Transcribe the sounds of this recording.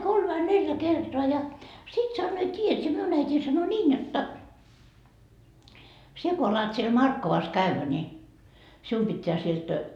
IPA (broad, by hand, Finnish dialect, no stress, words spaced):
kolm ʋɑi neljæ kertoɑ jɑ sit sɑnːoː tiːjæt sie miun æitiː sɑno niːn jotːɑ sie ko ɑlɑt siel mɑrkːoʋɑs kæʋːæ ni sium pitːeæ sielt